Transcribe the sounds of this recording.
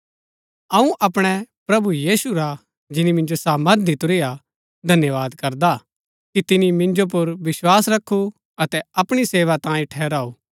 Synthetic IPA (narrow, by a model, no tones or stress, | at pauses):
ɐ̃ũʔɐpɽ̃ɛpɾɐbujiːsuɾa | d͡ʒɪnimɪ̃nd͡ʒosaːməɾt̪̚d̪it̪ʊɾia | d̪ʱɐnjəʋaːd̪kɐɾd̪a | kit̪ɪnimɪ̃nd͡ʒop̬ʊɾʋɪswaːsɾɐkʰːu | ɐt̪ɛɐpɽ̃iseːʋat̪ãːĩʈʰɛːɾaːuː